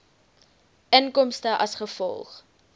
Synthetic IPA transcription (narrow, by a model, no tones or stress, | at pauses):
ʔənkɔmstəʔɐsχəfɔ̰lˠχ